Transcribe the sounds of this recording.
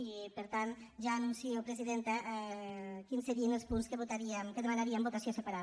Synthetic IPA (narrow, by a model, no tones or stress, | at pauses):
ipəɾt̪anʒaːnunsiowpɾeziðent̪aʔɛkinsːeɾiənəlˠspunskəβut̪aɾiəmkəðemanaɾiambot̪asiosepaɾa